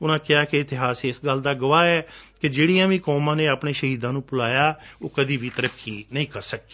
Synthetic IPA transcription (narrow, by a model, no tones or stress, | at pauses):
ʊnãːkɪaːkeɪt̪ɪɦaːseɪsɡəld̪aːɡəʋaːɛːkɪd͡ʒeːɽiːãːʋĩːkɔːmãːneːaːpɳeːʃəɦiːd̪ãːnũːpʊlaːjaːoːkəd̪iːʋiːt̪əɾəkʰːiːnəĩːkəɾsək̚i̥ː